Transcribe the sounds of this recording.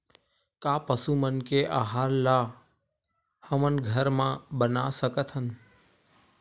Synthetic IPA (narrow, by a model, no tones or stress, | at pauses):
kaːpəsumənkeʔaɦaːɾla | həmənɡʱəɾmãbənasəkət̪ɦən